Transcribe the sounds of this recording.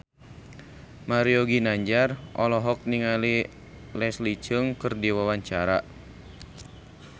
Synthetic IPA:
maɾiɔɡinaɲd͡ʒarʔɔ̰lɔɦɔk̚niŋali | lɛslit͡ʃəŋkərdiwawaɲt͡ʃaɾa

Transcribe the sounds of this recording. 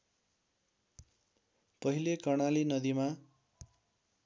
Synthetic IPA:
pʌɦilekʌrɽ̃alinʌd̪ima

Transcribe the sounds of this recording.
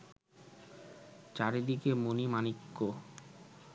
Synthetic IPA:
t͡ɕaɾed̪ikemonimanikːo

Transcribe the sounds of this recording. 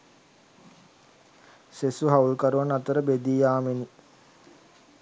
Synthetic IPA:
sesuɦaulkəɾuʋanat̪əɾəbed̪iːjaːmeni

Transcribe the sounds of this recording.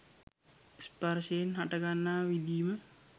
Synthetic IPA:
sparʃejenɦaʈaɡanːaːʋid̪iːmə

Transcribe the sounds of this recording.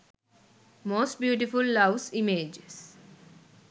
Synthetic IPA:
moːsʈ̚bjuːʈifulːʌʋsimeːd͡ʒes

